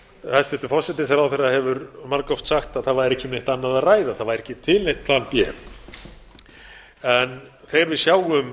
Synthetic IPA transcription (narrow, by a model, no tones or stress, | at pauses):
ast̪ɛht̪ʏfɔsɛt̪ɪnsaɾawθerahɛvʏɾmaɾkɔft̪saxt̪aðθaðvaɾɾɛhcːɪmneht̪anːaðaðraːjðaθaðvajɾɛcɪt̪ʰɪlnejht̪̚pʰlaːnpjɛ | ɛn | θejɣaɾvɪðsjaːwʏm